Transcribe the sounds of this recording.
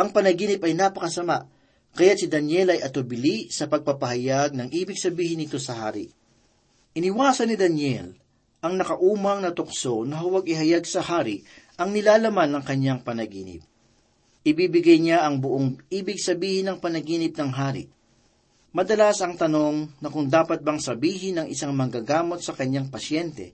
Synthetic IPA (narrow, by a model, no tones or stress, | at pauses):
ʔɐŋpɐnɐɡiːnɪpɐjnapɐkɐsɐmaʔ | kɐjat̪̚sɪd̪ɐnjɛlɐjʔɐt̪obɪlisɐpɐɡ̚pɐpɐɦɐjaɡ̚nɐŋʔiːbɪɡsɐbiːhɪnːɪt̪o̞sɐha̰ːɾɪ̰ʔ | ʔɪnɪwaːsɐnːɪd̪ɐnjɛl | ʔɐŋnɐkɐʔuːmɐŋnɐt̪ʊkso̞nɐɦʊwaɡɪɦɐjaɡ̚sɐhaːɾɪʔʔɐŋnɪlaːlɐmanːɐŋkɐɲːaŋpɐnɐɡḭːnɪ̰p̚ | ʔɪbiːbɪɡajɲaʔɐŋbʊʔoŋʔiːbɪɡ̚sɐbiːhɪnɐŋpɐnɐɡiːnɪp̚nɐŋɦaːɾɪ̰ʔ | mɐd̪ɐlasɐŋt̪ɐno̞ŋnɐkʊŋd̪aːpɐt̪̚bɐŋsɐbiːɦɪnɐŋʔɪsaŋmɐŋɡaɡaːmo̞t̪̚sɐkɐɲːaŋpɐsjɛnt̪ɛ̰